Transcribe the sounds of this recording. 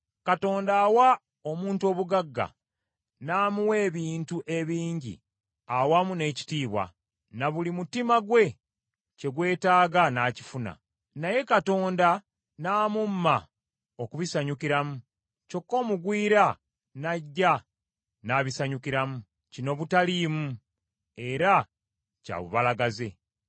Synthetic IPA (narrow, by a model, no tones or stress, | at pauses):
kato̞ːndaːwa | o̞muːntuo̞ːβuɡaɡːa̰ | naːmuwe̞ːβiːntuʔe̞βiːɲɟḭ | awamune̞ːci̥tiːβwa̰ | naβulimutimaɡwe̞ | ce̞ɡwe̞ːtaːɡanaci̥funa̰ | naje̞kato̞ːnda | naːmumːa | o̞kuβisaɲukiɾamu | co̞kːo̞ːmuɡwiːɾa | naɟːa | naβisaɲukiɾamu | cino̞βutalimu | e̞ɾa | ca̰βṵβalaɡaze̞